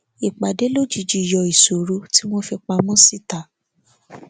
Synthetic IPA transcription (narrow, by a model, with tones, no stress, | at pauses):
i˨k͡pa˨de˨˦lo˦d͡ʒi˧d͡ʒi˧˦˨jɔ˧i˨so˨ɾo˨˦ti˦mo˦fi˧k͡pa˧mɔ̃˦si˦ta˨